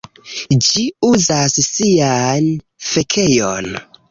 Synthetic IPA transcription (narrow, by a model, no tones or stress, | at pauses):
d͡ʒiuzasːian | fe̞kʰe̞jon